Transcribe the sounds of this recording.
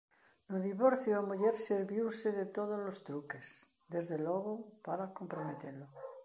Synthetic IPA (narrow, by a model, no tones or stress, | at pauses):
noðiβoɾθjoamuʝeɾseɾβjiwseðet̪oð̞ozlost̪ɾukes | d̪e̞zðeloɣopaɾako̞mpɾomet̪eɾlo